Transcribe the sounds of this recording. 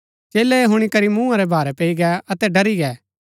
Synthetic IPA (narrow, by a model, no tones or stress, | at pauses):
t͡ʃeːlɛɦʊɽ̃ikɐɾimũaɾɛbʱaːɾɛpeːiɡɛɐt̪ɛɖɐɾiɡɛː